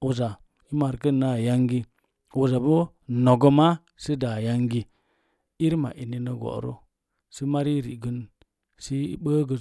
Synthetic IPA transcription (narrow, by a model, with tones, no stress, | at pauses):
o˨za˨ | i˦ma˨ɾkə˦nːa˦˨ja˦ŋɡi˦ | wo˨za˨bo˦ | no˨ɡo˦ma˦ | si˦da˨ja˦ŋɡi˦ | i˦ɾma̰˨ʔi˨ni˨nə˨ɡo̰˨ɾo̰˦ | si˦ma˦ɾi˦ɾḭ˨ɡə˦n | sḭ˦ɓə˦ɡə˨